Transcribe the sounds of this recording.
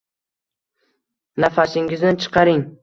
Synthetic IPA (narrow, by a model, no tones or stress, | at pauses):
nafaʃɪŋɪznɪnt͡ʃʰɨ̥qʰɑɾɪŋ